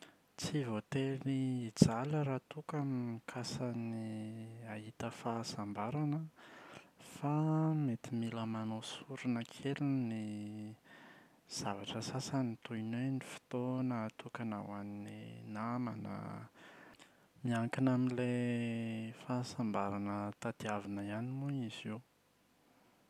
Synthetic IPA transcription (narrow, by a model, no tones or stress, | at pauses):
t͡sivot̪eliːd͡zaləɾat̪ukammikʰasəniaɦit̪əfasambaɾanə | famet̪imiləmanosuɾunəkʰelini | z̥avaʈ͡ʂəsasanit̪uinenifi̥t̪onat̪ukana̰waninḭnama̰nə̰ | miaŋkinaminle | fasambaɾanət̪ad̪iavinəianimuiziw